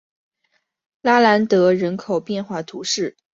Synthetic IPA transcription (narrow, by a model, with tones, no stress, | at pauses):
la˥la˧˥nt̪ɤ˧˥ɻə˧˥nkʰo˨˩ʊpjɛ˥˧nxwa˥˩t̪ʰu˧˥ʂɻ̩˥˩